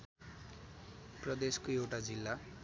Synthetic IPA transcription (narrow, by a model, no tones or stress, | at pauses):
prʌd̪eskoewʈad͡zilːa